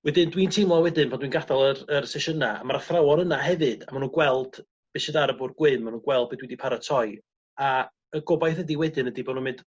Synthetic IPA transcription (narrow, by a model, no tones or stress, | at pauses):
wɛdɨndwiːntʰejmlˠɔwɛdɨnvʰandwinɡadalˠərərsɛʃənaa̰maraθrawɔnənaɦɛvɨd̥a̰manuːɡwɛlˠd̥ | b̥eʃɛdaɾəbʊrɡwɪmmːanuːnɡwɛlˠd̚bedwidipʰaɾətʰɔj | a | əɡɔbajθədiwɛdɨnədibonumɪnd̥